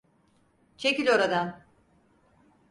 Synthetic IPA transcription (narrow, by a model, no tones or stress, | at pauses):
t͡ʃʰe̞cilʲo̞ɾad̪an